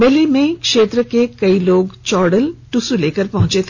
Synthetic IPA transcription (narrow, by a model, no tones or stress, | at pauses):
belimẽkʃeːt̪ɾəkekɐiloːɡt͡ʃɔːɽəlʈusuleːkəɾpɐɦʊ̃t͡ʃet̪ʰː